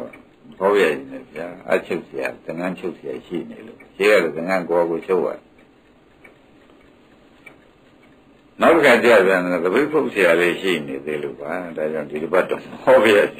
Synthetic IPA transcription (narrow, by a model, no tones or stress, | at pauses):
mhɔpja̰d͡ʑɪ̃nɛ̰pʰəjaʔa̰t͡ɕʰoʊʔsəja̰t̪ə̃ŋãt͡ɕʰoʊʔsʰɪja̰ʃḭnḛlo̰ʃeɣalɔt̪ə̃ŋãŋkoaɣot͡ɕʰoʊʔa̰d | naʊtəkʰãt͡ɕjabjãnd̪əbepʰoʊʔsɪjaleʃḭned̪elo̰badad͡ʑãdidəbaʔtːõmhɔbja̰d͡ʑɪ̃